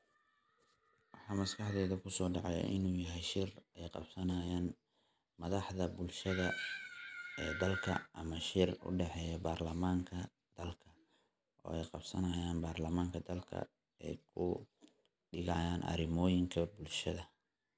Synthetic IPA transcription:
wɑħɑːmɐskɑħðɛːðɐkʰʊsɔːɖɑʕɑj̰ʔɪ̰nuːjɐɦɛjʃɪrɛjqɑ̰bsɐnɐjaːn | mɐðɑħðɐbʊlʃɐðɐ | ʔɛːd̪ɐlkʰɐ̰ʔɐmɐʃɪrʊ̰ɖɛħɛːjɔbaːrlɐmaːŋkʰɐ | d̪̥ɐlkʰɐ | ʔɔ̰ːɛjqɑbsɐnɐjaːnbaːrlɐmaːŋkʰɐd̪ɐlkʰɐ̰ | ɛ̰jkʰʊ̰ | ɖɪɣɐjaːnʔɐ̰ɾɪmɔːjɪŋkʰɐbʊlʃɐðɐ

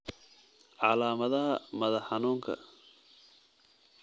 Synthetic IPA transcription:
ʕɑlaːmɐðɐɦɐmɐðɐħɑnuːŋkʰɐ̰

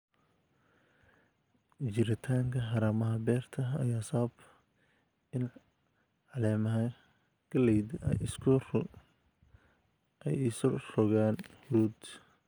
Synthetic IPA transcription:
t͡ʃɪɾɪt̪ʰaːŋkʰɐɦɑɾaːmɐɦɐbɛːrt̪ʰɐɐ̰jaːsɐβɐb | ɪn | ʕɑlɛːmɐɦɐ | ɡ̥ɐlɛjd̪̰ɪskʰʊr | ʔɛjɪsɔrɔɣaːnhʊɾuːd̪

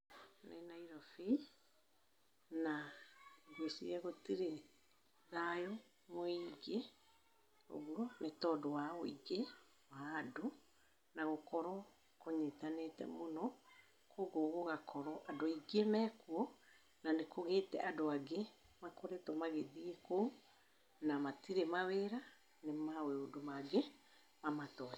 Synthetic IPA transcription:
nenaiɾɔfi | naiɡosiɛɣotiɾe | ðajo | moiɡe | o̰ɣuɔnetɔdɔwaoiɡe | waːdo | naɣokɔɾɔ | koɲetanetɛ̰monɔ | koɣoɣoɣakɔɾɔʔadoiɡemɛkwɔ | nanekʰoɣetɛ̰ʔadoaɡe | makoɾɛtɔmaɣeðiekou | namatiɾemaweɾa | nemaweodomaɡe | mamatɔ

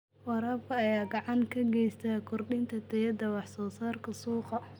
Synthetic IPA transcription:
wɑɾɐːbkʰɐːjaːɡɑʕɑŋkʰɐɡɛjst̪ʰaːkʰʊrɗɪnt̪ʰɐt̪ʰɛjɐd̪ɐwɑħsɔːsaːrkʰɐsuːqɐ

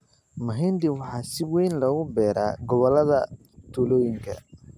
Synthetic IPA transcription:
mɐɦɛnd̪ɪwɑħɑːsɪwɛjnlɐɣʊbɛːɾa̰ːɡɔβɔlːɐðɐ | t̪ʰuːlɔːjɪŋkʰɐ̰

